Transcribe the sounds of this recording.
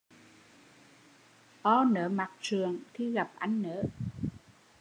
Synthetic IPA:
ʔɔ˧nəː˨˦ma˨˩k̚t͡ɕɨ˨˩əŋt̪ʰi˧ɣa˨˩p̚ʔa˧jŋ̟nəː˧˦

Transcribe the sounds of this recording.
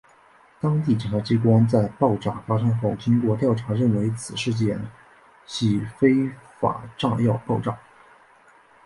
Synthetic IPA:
t̪ɑ˥ŋt̪̬i˥˩ʈ͡ʂə˨˩a˧˥t͡ɕi˥k̬wa˥nt͡sa˥˧ɪpɑ˥˧ʊʈ͡ʂa̰˥˩fa˥ʂɤ˥ŋxo˥˩ʊt͡ɕi˥ŋkwɔ˥˧t̪jɑ˥˩ʊʈ͡ʂʰa˧˥ɻə˥˩nwe˧˥ɪt͡sʰɹ̩˨˩ʂɻ̩˥˧t͡ɕjɛ˥˩n | ɕi˥˩fe˥ɪfa̰˨˩ʈ͡ʂɑ˥˧ŋjɑ˥˧ʊpɑ˥˧ʊʈ͡ʂɑ̰˥˩˦

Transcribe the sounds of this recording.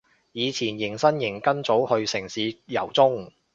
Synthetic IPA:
jiː˨˧t͡sʰiː˨˩njɪ˨˩ŋsɐ˥njɪ˨˩ŋkɐ˥nt͡so˨˥whɵ˧ɥsɪ˨˩ŋsiː˨˥jɐ̰˨˩wt͡sʊ˥ŋ

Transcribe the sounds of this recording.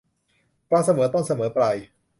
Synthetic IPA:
pɾa˧sa˧mɤː˩˦t̪o˥˩nsa˧mɤː˩˦pɾa˧j

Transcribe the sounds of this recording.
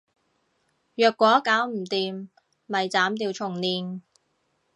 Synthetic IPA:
jœː˨kːʷɔː˨˥kaː˨˥wm̩˨˩t̪iː˨m | mɐ˨jt͡saː˨˥mt̪iː˧wt͡ʃʰʊ˨˩ŋniː˨n

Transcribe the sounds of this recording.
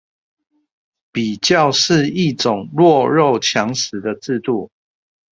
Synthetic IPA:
pi˨˩t͡ɕjɑ˥˨˧ʊʂɻ̩˥˧i˥˨t͡sʊ˨˩ŋɻwɔ˥˧ɻo˥˨ʊt͡ɕʰjɑ˨˦ŋsɻ̩˨˦d̪ə˨t͡s̩˥˧t̪u˥˨

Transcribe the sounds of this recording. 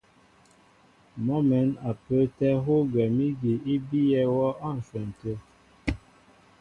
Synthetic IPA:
mɔ˦mɛ˨˦na˨pə˦tɛ˦ɦo˦ɡɛ˨mi˦ɡi˨i˦bi˦jɛ˦wɔ˦a˦˨n̩˨sɛ˨n̩˨tə˦

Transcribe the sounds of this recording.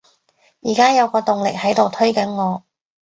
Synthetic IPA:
jiː˨˩kaː˥jɐ˨˧wkɔː˧t̪ʊ˨ŋlɪ˨k̚hɐ˨˥jt̪o˨wt̪ʰɵ˥ɥkɐ˨˥nŋɔː˨˧

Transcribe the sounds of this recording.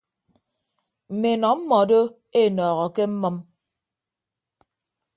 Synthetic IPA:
m̩˨me˨nɔ˨m̩˦mɔ˨do˦ | e˦˨nɔː˨ɣɔ˨ke˦m̩˦mɔ˦m

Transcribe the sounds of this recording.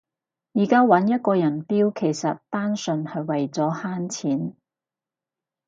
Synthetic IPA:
jiː˨˩kaː˥wɐ˨˥njɐ˥t̚kɔː˧jɐ˨˩npiː˥wkʰe˨˩jsɐ˨t̚t̪aː˥nsɵ˧nhɐ˨˧jwɐ˨˩jt͡sɔː˨˥haː˥nt͡sʰiː˨˥n

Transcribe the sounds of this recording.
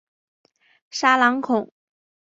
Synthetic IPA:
ʂa˥lɑ˧˥ŋkʰʊ˨˩˦ŋ

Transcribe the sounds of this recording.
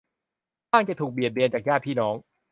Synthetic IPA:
aː˥˩ŋt͡ɕa˨˩t̪ʰuː˨˩k̚bi˨˩t̪̚bi˧ənt͡ɕaː˨˩k̚jaː˥˩pʰiː˥˩nɔː˩˦˥ŋ

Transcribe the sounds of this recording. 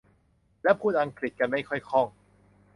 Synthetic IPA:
lɛ˦˥wpʰuː˥˩t̪̚ʔa˧ŋkɾi˨˩t̪̚ka˧nma˥˩jkʰɔ˥˩jkʰɔ˥˩ŋ

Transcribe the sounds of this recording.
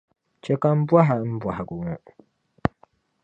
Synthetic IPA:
t͡ʃɛ˦ka˦m̩˦bwa˦ɦa˨˦m̩˦bwa˨ha˨ɡʊ˨ŋɔ˦

